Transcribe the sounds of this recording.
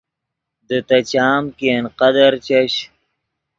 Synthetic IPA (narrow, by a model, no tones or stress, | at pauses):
d̪ət̪ɐt͡ɕaːmkenqɐd̪aɾt͡ɕɐɕ